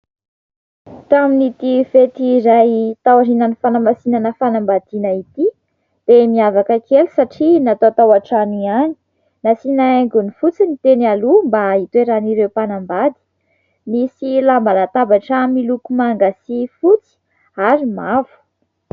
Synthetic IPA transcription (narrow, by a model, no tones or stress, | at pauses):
t̪aminit̪ifet̪iɾajt̪awaɾinanifanamasinanəfanambad̪inəit̪i | d̪̥emiavakəkelu̥saʈ͡ʂinat̪ot̪awaʈ͡ʂaniani̥ | nasinaeŋɡunifut͡sinit̪enalumbait̪weɾaniɾewpanambad̪i̥ | misilambalat̪abaʈ͡ʂəmilukumaŋɡasifut͡si̥ | aɾimavu̥